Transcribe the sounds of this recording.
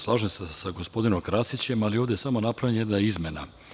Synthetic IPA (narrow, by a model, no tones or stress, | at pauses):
slˠaʒemsesaɡo̞spo̞d̪inomkɾasit͡ɕe̞malio̞vd̪esamo̞napɾavjanjed̪naizmʲena̰